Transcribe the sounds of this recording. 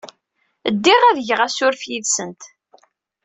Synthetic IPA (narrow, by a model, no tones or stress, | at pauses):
əd̪ːiʁæðʝəʁæsʊɾfjiðsənt̪